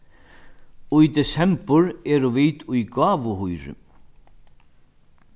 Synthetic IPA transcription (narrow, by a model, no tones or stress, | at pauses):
ujd̪ɛsɛmpʊɾɛːɾʊviːt̪ujɡaːvʊhujɾʏ̰